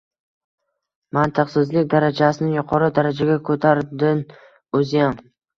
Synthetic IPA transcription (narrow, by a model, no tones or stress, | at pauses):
mant̪ʰɨqsɪzlɪkʲd̪aɾad͡ʒasɪnɪjʊqʰɒɾɪd̪aɾad͡ʒaɡʲakʰɵt̪ʰaɾd̪ɪn | ɵzɪjam